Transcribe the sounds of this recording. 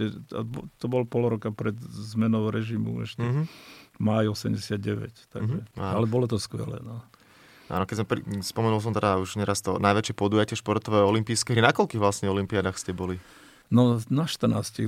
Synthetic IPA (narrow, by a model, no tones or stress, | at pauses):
ɛbt̪ɔbɔlpɔlɾɔkapɾɛd̪zmɛnɔʊɾɛʒimṵɛ̰ʃcɛ | majɔsɛmɟɛsɪad̪ɟɛʋɛ̰ct̪a̰ɡʒɛaalɛbɔlɔt̪ɔskʋɛ̰lɛ̰nɔ | ʔa̰ːnɔkɛzmɛpɾḭspɔmɛnuls̬ɔmt̪ɛd̪auʒɲɛɾast̪ɔnajʋɛt͡ʃɪɛpɔd̪ujacɪɛʃpɔɾt̪ɔʋɛːɔlimpiːskɛɦɾinakɔlkiːɣʋlasɲɛɔlimpiad̪aːxst̪ɪɛbɔli | nɔnaʃt̪ər̩na̰ːsci